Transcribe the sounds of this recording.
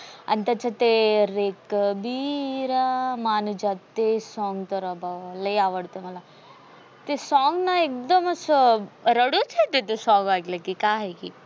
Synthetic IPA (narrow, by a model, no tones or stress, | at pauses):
ɐ̰nt̪ɐt͡ʃʰɐt̪eɾekbiɾamaːnud͡ʒat̪esɔːŋɡt̪ɐɾɔbʱaʋlejaːʋəɽt̪onɐla | t̪esɔːŋɡnaeːk̚d̪ɐmɐsɾɐɽot͡ʃʰet̪et̪esɔ̃ːŋɡaːɡlekikaːɦekḭ